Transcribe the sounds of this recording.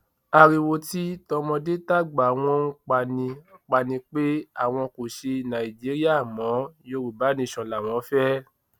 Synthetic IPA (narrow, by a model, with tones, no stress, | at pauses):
a˧ɾi˧wo˧ti˦tɔ˧mɔ̃˧de˦ta˦˨ɡ͡ba˨˦w̃ɔ̃˦ũ˦k͡pa˧nĩ˧˨k͡pa˧nĩ˧k͡pe˦a̰˦˨w̃ɔ̃˧ko˨ʃe˧nã˨i˨d͡ʒi˨˦ɾi˦a˦˨mɔ̃˨˦jo˧ɾu˨ba˨˦nĩ˧˨ʃɔ̃˨la˨w̃ɔ̃˨˦fɛ˦